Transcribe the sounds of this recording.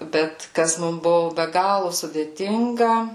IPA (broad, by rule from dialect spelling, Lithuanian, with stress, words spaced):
ˈbʲɛt ˈkɐs ˈmʊm ˈbʊʋʊ bʲɛ ˈɡɑːlˠʊ sʊdʲeːˈtʲɪŋɡɐ